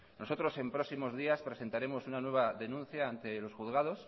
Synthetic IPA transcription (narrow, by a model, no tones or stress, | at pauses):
no̞so̞t̪ɾo̞se̞mpɾo̞simo̞zðiaspɾe̞se̞nt̪aɾe̞mo̞sunanwe̞βaðe̞nũnθjaːnt̪e̞lo̞sxuθɣað̞o̞s